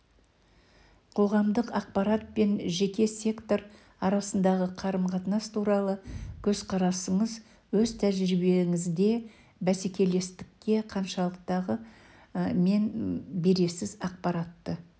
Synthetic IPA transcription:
qʰo̞ʁɑmd̪əqɑq̚pɑɾat̪̚pe̞nʒe̞kʲe̞sʲe̞kt̪o̞ɾ | ɑɾɑsənd̪ɑʁəqʰɑɾəmqʰɑt̪nɑst̪ʰuɾɑlˠəkʲʰɵzqʰɑɾɑsəɴəz | wɵzt̪ʰæʒɾɪbe̞ŋɪzd̪e̞ | bæsekʲe̞le̞st̪ɪ̥kʲːe̞qʰɑnʃɑlˠəq̚t̪ɑʁə | me̞nbe̞ɾe̞sɪzɑq̚pɑɾɑt̪ːə

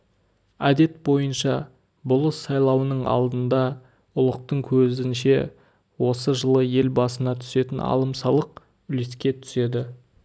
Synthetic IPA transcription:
æd̪e̞t̪̚bo̞jənʃɑ | bʊlˠəsːɑjlˠɑwənəɴɑ̰lˠd̪ənd̪ɑ | ʊlˠəq̚t̪əɴkʲʰɵzɪnʃe̞ | wo̞səʒəlˠəje̞lbɑsənɑt̪ʰʏ̥se̞t̪ɪnɑ̰lˠəmsɑlˠəq̚ | ʏleskʲe̞t̪ʰʏ̥se̞d̪ɪ

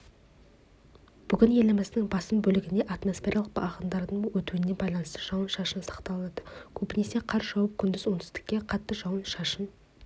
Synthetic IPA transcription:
b̥ʏɡʲɪnje̞lɪmɪzd̪ɪŋbɑsəmbɵlɪɡʲɪne̞ʔat̪mo̞sfʲe̞ɾʔalˠəqbɑ̰ʁənd̪ɑɾd̪əɴwɵt̪uwɪnːe̞bɑjlˠɑnəst̪əʒɑwənʃɑʃənsɑ̥qt̪ɑlˠənɑd̪̥əkʲʰɵbɪne̞se̞qʰɑɾʒɑwəp̚kʲʰʏnd̪ɪzwo̞nt̪ɪ̥zt̪ɪ̥kʲːe̞qʰɑt̪ːəʒɑwənʃɑʃən

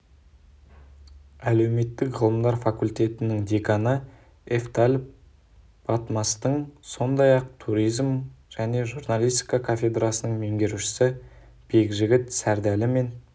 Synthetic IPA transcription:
æle̞wme̞t̪ːɪkʁəlˠəmd̪ɑɾfɑkulʲt̪ʲe̞t̪ɪnɪŋd̪ekɑnə | eft̪alʲ | b̥ɑt̪mɑst̪əɴso̞nd̪ɑjɑq̚t̪ʰuɾijzmʒ̥æne̞ʒurnalʲˠijst̪i̥kɑkʰafʲe̞d̪ɾasənəɴme̞ŋɡʲe̞ɾuʃɪ̥sɪ | b̥e̞kʒɪɡʲɪt̪sæɾd̪ælɪme̞n

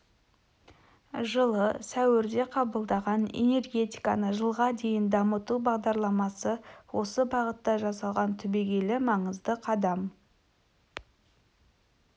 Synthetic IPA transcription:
ʒəlˠəsæwɪɾd̪e̞qʰɑbəlˠd̪ɑʁɑne̞̰ne̞rɡʲe̞t̪i̥jkɑnəʒəlˠʁɑd̪e̞jɪnd̪ɑmət̪ubɑʁd̪ɑɾlˠɑmɑsəwo̞səbɑʁət̪ːɑʒɑsɑlˠʁɑnt̪ʰʏbe̞ɡʲe̞lɪmɑɴəzd̪əqʰɑd̪ɑm

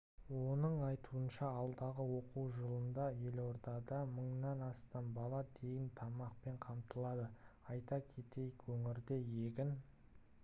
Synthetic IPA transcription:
wo̞nəɴɑjt̪uənʃɑɑlˠd̪ɑʁəwo̞quwʒəlˠənd̪ɑje̞lo̞ɾd̪ɑd̪ɑməɴnɑnɑst̪ɑnbɑlˠɑd̪e̞jɪnt̪ʰɑmɑq̚pe̞ɴqʰɑmt̪əlˠɑd̪əɑjt̪ɑkʲʰe̞t̪e̞jkwɵŋɪɾd̪e̞je̞ɡʲɪn

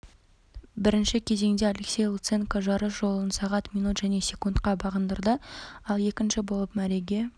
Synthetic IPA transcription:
bɪɾɪnʃɪkʲʰe̞ze̞ŋd̪ealeksʲe̞jlˠut̪seŋkoʒɑɾəsʒo̞lˠənsɑʁɑt̪mʲijnut̪ʒ̥æne̞sʲe̞kunt̪qɑbɑʁənd̪əɾd̪əɑlˠje̞kʲɪnʃɪbo̞lˠəpmæɾe̞ɡʲe̞

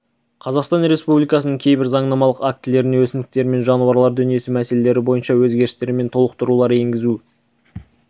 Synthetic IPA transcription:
qʰɑzɑqst̪ɑnɾe̞spublijkɑsənəɴŋkʲʰe̞jbɪɾzɑɴnɑmɑlˠəqak̚t̪ɪle̞ɾɪneŋwɵsɪnd̪ɪk̚t̪eɾɪme̞nʒɑnuwɑɾlˠɑɾd̪ʏnije̞sɪmæse̞le̞le̞ɾɪbo̞jənʃɑwɵzɡʲe̞ɾɪst̪e̞ɾɪme̞nt̪ʰo̞lˠəq̚t̪ʊɾulˠɑɾe̞ŋɡʲɪzu

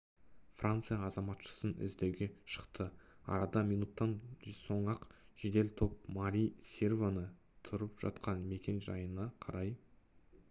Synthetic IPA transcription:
frʔant̪sɨjɑːzɑmɑt̪ʃə̥sənɪ̰zd̪e̞wɡʲe̞ʃə̥qt̪əɑ̰ɾɑd̪ɑmʲijnut̪ːɑnso̞ɴɑqʒ̥ed̪e̞lt̪ʰo̞p̚maɾʲijsʲe̞rvanə | t̪ʰʊɾəpʒ̥ɑ̰t̪qɑnme̞kʲe̞nʒɑjənɑqʰɑɾɑj

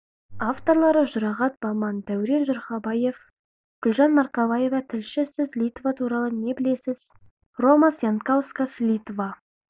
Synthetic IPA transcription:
ɑft̪o̞ɾlˠɑɾəʒʊɾɑʁɑt̪̚bɑmɑnd̪æwɪɾe̞nʒʊɾχɑbɑje̞f | ɡ̥ʊlʒɑnmɑɾqɑbˠɑje̞vɑt̪ʰɪlʃɪsɪzlʲijt̪vɑt̪ʰuɾɑlˠəne̞bɪle̞sɪz | ro̞mɑsjant̪kawskaslʲijt̪vɑ

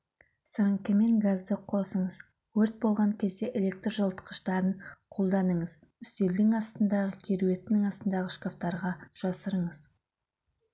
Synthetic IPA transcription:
səɾəŋkʲɪme̞ŋɡazd̪əqʰo̞səɴəz | wɵɾt̪̚bolˠʁɑŋkʲʰe̞zd̪e̞ʔelʲe̞k̚t̪rʒəlˠt̪ə̥qə̥ʃt̪ɑɾəɴqʰo̞lˠd̪ɑnəɴəz | ʏst̪e̞ld̪ɪŋɑst̪ənd̪ɑʁəkʲʰe̞ɾuwe̞t̪ɪnɪŋɑst̪ənd̪ɑʁəʃkaft̪ɑɾʁɑʒ̥ɑsəɾəɴəz̥

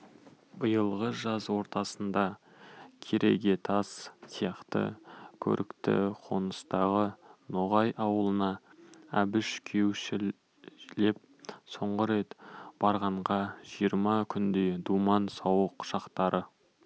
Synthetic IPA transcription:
bəjəlˠʁəʒɑzwo̞ɾt̪ɑsənd̪ɑ | kʲʰeɾʔe̞ɡʲe̞t̪ʰɑssijɑqt̪ə̰kʲʰɵ̰ɾʔɪkt̪ɪ̰qʰo̞nəst̪ɑʁənoʁɑjɑwəlˠənɑæbɪʃkʲʰe̞wʃɪ | le̞p̚ | so̞ɴʁəɾe̞t̪b̥ɑɾʁɑɴʁɑʒijəɾmɑkʲʰʏnd̪e̞d̪umɑnsɑwəqʃɑqt̪ɑɾʔə

